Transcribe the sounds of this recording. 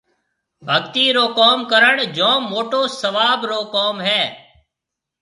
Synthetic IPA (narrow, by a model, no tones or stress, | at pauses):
bʱəɡt̪iːɾoːkoːmkəɾəɳd͡ʒõːmoːʈoːsəʋaːbɾoːkɔoːmɦɛː